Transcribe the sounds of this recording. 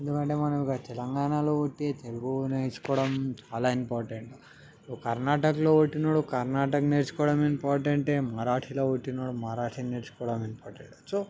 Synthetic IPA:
end̪ukɐɳʈeːmɐnɐmikɐt̪ɛlɐŋɡaːnalo̞ːoʈːeːt̪eluɡuneːt͡ʃu̥kɔːɽɐmt͡ʃaːlaːimpaːɾʈeɳʈ | okɐɾnaːʈɐkɐlo̞ːʋoʈːinoːɽukɐɾnaːʈɐkneɾt͡ʃu̥kɔːɽɐmimpaːɾʈɐɳʈeːmɐɾaːʈʰiloːoʈːinaːɽumɐɾaːʈʰineːɾt͡ʃu̥kɔːɽɐmempaːɾʈeɳʈt͡ʃo

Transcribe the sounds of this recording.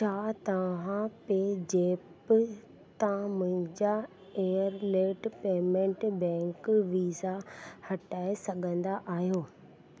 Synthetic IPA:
t͡ɕʰaːt̪ɐʋãpeːd͡ʑeːpɪ | t̪mʊ̃ɦɪ̃ɲd͡ʑa | eːəɾleːʈpeːmẽɳʈbɛ̃ːŋkʋiːzahɐʈaːesɐɠʱə̃nd̪aʔaːɦijoː

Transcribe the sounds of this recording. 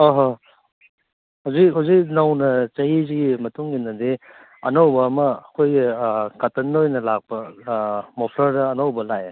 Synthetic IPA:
oɦɔ | hɐwzik̚ɦɐwzik̚nɐwnɐt͡ʃɐjiziɡimɐtuŋinɐdi | ɐnɐwbɐːmɐːkʰojkatɐnːojnɐlak̚pɐ | mopʰɾɐɾdɐːnɐwbɐlaj

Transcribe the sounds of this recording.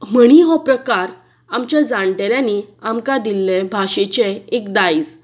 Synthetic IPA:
məɽ̃iɦɔpɾəkaɾ | amt͡ɕjad͡zaɳʈeljaniamkad̪ilːebʱaɕet͡ɕeekd̪aid͡z

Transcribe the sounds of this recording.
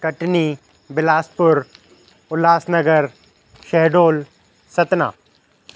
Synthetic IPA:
kɐʈni | bɪlaːspʊɾ | ʊlaːsnɐɡəɾ | ʃɛɦɖoːl | sɐt̪na̰ː

